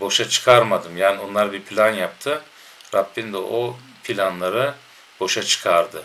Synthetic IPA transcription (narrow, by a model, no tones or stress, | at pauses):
bo̞ʃat͡ʃʰɯ̥kʰaɾmad̪ɯmjaːnio̞nlˠaɾbiɾpʰlʲanjap̚t̪ʰɯ | ɾapːind̪ɛʔo | pʰilʲanlˠaɾɯ | bo̞ʃat͡ʃʰɯ̥kʰaɾd̪ɯ